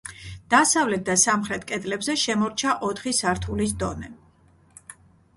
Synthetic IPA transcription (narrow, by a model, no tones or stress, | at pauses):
d̪̥asavlɛt̪̚d̪asamχɾɛt̪ʰkʼɛd̪lɛbzɛʃɛmɔɾt͡ʃʰaʔɔt̪ʰχisaɾt̪ʰulis̬d̪ɔnɛ